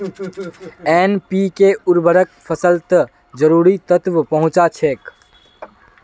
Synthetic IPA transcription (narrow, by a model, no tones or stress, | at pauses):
eːnpikeʊɾbʱəɾək̚pʰəsəlt̪ | d͡ʒəɾuːɾit̪ət̪ʋpəɦʊ̃t͡ʃat͡ʃʰeːk